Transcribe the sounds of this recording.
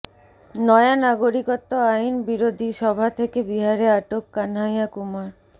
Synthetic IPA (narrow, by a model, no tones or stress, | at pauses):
nɔeanaɡoɾikot̪ːoajnbiɾod̪ʱiʃɔbʱat̪ʰekebiɦaɾeaʈokːanɦajakumaɾ